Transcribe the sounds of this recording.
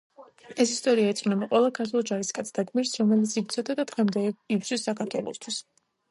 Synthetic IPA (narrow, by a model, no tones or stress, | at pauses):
ɛsist̪ʼɔɾiaɛt̪sʼχnɛbaqʼwɛlˠakʰat̪ʰulˠd͡ʒaɾiskʼat̪sʰd̪aɡmiɾsɾɔmɛlit̪sipt̪sʰɔd̪ad̪ad̪̥ʁɛmd̪ɛip̪swisːakʰaɾt̪ʰwɛlˠɔ̰st̪ʰwis